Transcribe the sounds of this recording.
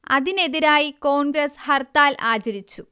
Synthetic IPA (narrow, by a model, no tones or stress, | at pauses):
ɐðine̞ðiɾaːjiko̞ːnɡɾɐshɐrt̪aːlʔaːt͡ɕɐɾit͡ɕːu